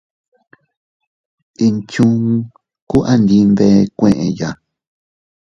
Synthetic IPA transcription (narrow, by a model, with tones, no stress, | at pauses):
i˧nt͡ʃũ˦ŋ | ku˦ʔa˦nd̪ĩ˧nd̪e˧kʷẽ˧˨ʔẽ˧ja˨